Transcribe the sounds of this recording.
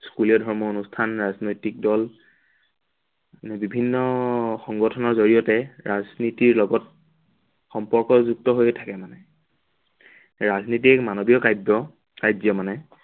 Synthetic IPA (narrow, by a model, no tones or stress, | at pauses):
skuliɔdʱɔɹmɔonustʰanɹaznojtik̚dɔl | nɛbibʱinːɔxɔŋɡɔtʰɔnɔɹzoɹijɔtɛɹaznitiɹlɔɡɔt̚ | xɔmpɔɹkɔzuk̚tɔɦojtʰakɛmanɛ | ɹaznit̬ikmanobijɔkajbɔ | kajzɔmanɛ